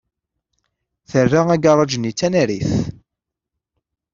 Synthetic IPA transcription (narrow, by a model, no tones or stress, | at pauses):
θərːaæɡɑɾˤɑd͡ʒənːit͡sːænæɾḭθ